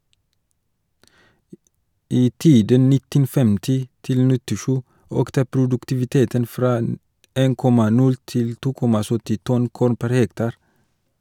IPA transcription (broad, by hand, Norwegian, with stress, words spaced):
ˈiː ˈtiːdən ˈnɪtən ˈfɛmtɪ ˈtɪl nɪtɪˈʃʉː ˈøːktə pɾʊdʉktɪʋɪˈteːtən ˈfɾɑː ə ˈeːn ˈkɔmɑ ˈnʉl ˈtɪl ˈtuː ˈkɔmɑ ˈsœtɪ ˈtɔn ˈkuːɾn ˈpæɾ ˈhɛktɑɾ